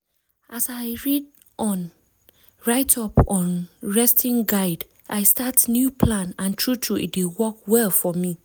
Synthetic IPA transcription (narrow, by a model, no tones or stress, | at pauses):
ʔasaɪɹid | ʔɔ̃n | ɹaɪtʰɔpɔ̃nɹɛstʰĩnɡaɪd | ʔaɪstatnjupʰlãnãntʰɹutʰɹuḭt̚wiwɔkwɛlfɔmi